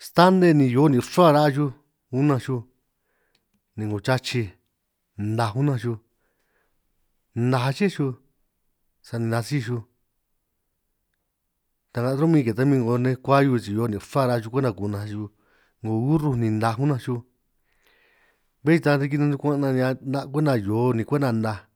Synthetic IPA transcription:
st̪a˦nd̪e˧nĩ˧jo˨˦nĩ˧ʂa˦˧ɾa˦a˧ʒu˦ | u˦nã˧ʃu˧ | nĩ˧ŋɡo˨t͡ʃa˦t͡ʃi˧ | nd̪a˧ɦu˦nã˧ʃu˧ | nã˧ɦa˧t͡ʃi˦ʃu˧ | sa˧nĩ˧ã˧si˦˧ʃu˧ | t̪a˧ŋɡa˧ɾo˦mĩ˦˧ke˨t̪a˦mĩ˧ŋɡo˧nẽ˧kʷa˦ju˧t͡ʃi˧joː˧˦nĩ˧fa˦ɾa˧t͡ʃu˧kʷe˦nã˧ku˧˨˧nã˧ʃu˧ | ŋɡo˧˨u˦ɾu˧nĩ˧nd̪ã˧ɦu˦nã˧ʃu˧ | βe˦t͡ʃi˧t̪a˧t̪i˧k̬i˧nã˧nd̪u˧kʷã˦˧nã˧ɲ˧ã˧nda˦˧k̬ʷe˦nã˧˨jo˨˦˧nĩ˧kʷe˦nã˧nd̪ã˧

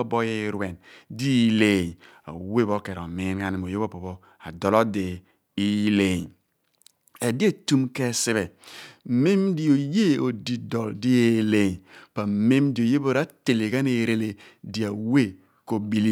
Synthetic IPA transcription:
o˦bo˦je˦ɾwe˨ndi˦le˨ | a̰˨we˦bo˦ke˨ɾo˨mi˨˦nŋa˦ni˨m˨o˨je˦bo˦bo˨bo˦ | a˨dɔ˨lo˦de˨ | i˦le˨ | e˨di˦e˦tu˦mke˦si˦be˨ | me˦mdi˦o˨je˦o˨di˨dɔ˨ldi˦e˦le˨pa˨me˦mdi˨o˨je˦bo˦ɾa˦te˨le˨ɡa˦ne˨ɾe˦le˨di˨a˨we˦ | ko˨bi˦li˦

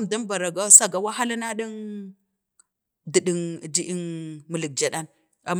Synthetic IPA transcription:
m˨da˦mba˨ɾa˨ɡa˦sa˦ɡa˨wa˦ɦa˦la˦na˦ɗi˦n | di˨ɗi˨ŋ˨di˦ʔi˦nmu˨li˨k̚d͡ʒa˨ɗa˦n | a˨m

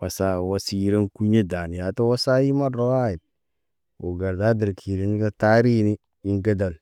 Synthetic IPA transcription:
wa˨sa˦˨wa˦si˦ɾe˦nku˦ɲe˦da˨n˨ja˨to˦wa˦sa˦ji˦ma˦ɾo˦wa˦ji˨t̚ | wo̰˨ɡa˨ɾda˦di˨ɾkʰi˨ɾi˦n˦ka˦ta˦ɾi˦ni˦ | i˦ŋɡe˦da˨l

